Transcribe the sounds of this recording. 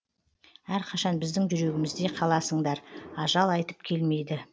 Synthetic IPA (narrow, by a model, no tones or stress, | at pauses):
æɾqʰɑʃɑnbɪzd̪ɪŋʒʏɾe̞ɡʲɪmɪzd̪e̞qʰɑlˠɑsəɴd̪ɑɾɑʒɑlˠɑjt̪ə̥pkʲʰe̞lme̞jd̪ɪ